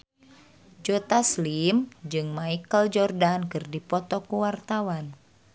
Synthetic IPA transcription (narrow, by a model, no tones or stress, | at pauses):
d͡ʒot̪aslimd͡ʒɨŋmaikəld͡ʒɔrdankɨrdipɔt̪ɔkuwart̪awan